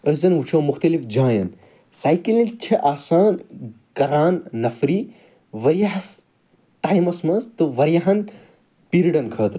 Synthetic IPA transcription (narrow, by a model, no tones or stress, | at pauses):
əszɐnut͡ʃʰɐ̃ːmuxt̪ɐlifd͡ʒãːjɐn | saːjkilint͡ʃʰɐʔaːsaːn | kɐɾaːnːɐfɾi | ʋɐɾijaɦɐs | ʈaːjmɐsmɐnzt̪ɨʋɐɾjaɦɐn | piɾiɖɐnkʰɐːt̪ɾ